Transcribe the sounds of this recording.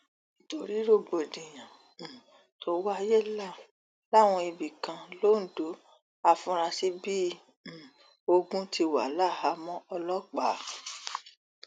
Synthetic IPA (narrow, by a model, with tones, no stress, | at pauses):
i˨to˨ɾi˦ɾo˦˨ɡ͡bo˨dĩ˨j̃ã˨ | to˦wa˦˧je˦˨la˦˨ | la˦˨w̃ɔ̃˧i˧bi˨kã˧lo˦n̩˨do˨˦ | a˧fũ˧˦ɾa˧si˦bĩ˦˨ | o˧ɡũ˦ti˧wa̰˨˦la˦˨ha˨˦mɔ̃˦ɔ˧lɔ˦k͡pa˨˦